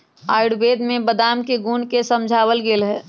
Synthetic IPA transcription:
aːɪɽbeːd̪mẽbəd̪aːmkeɡuːnkesə̃md͡ʒʱaːwəlɡeːlɦɛː

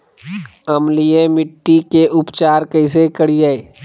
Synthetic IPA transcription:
əmlijẽmɪʈːikeʔʊpt͡ʃaːɾkəɪsekəɽid͡ʒae

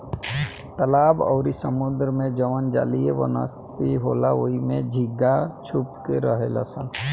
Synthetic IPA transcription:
t̪əlaːbɔ̰ːɾisəmʊd̪ɾmẽd͡ʒəʋənd͡ʒa̰ːlieʋə̰nə̰s | iɦoːlaoimẽd͡ʒʱiɡːat͡ʃʰupkeɾəɦela̰sən

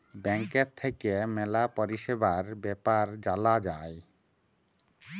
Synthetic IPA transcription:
bɛŋkeɾt̪ʰːekemɛlapoɾiʃebaɾbɛpaɾd͡ʑalad͡ʑae

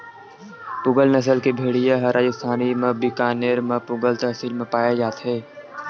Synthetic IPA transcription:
pʊɡəlnəs̬əlkebʱeːɽijaɦəɾaːd͡ʒəst̪ʰaːnimẽbikaːneːɾmẽpʊɡəlt̪ɐɦsiːlmẽpaːjed͡ʒaːt̪ɦɛː

